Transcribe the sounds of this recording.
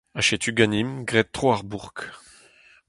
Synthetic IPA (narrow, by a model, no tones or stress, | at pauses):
aʃet̪yɡanimɡʁɛt̚t̪ːχoaʁbuʁk